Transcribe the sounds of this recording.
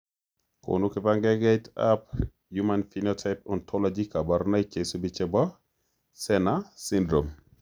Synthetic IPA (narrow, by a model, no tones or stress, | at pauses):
ko̰nukɪpaŋɡɛɡeta̰p | jumanfinɔtʰaɪpɔntʰɔlɔd͡ʒikabaɾnaikesubit͡ʃɛbɔ | sɛnasindɾom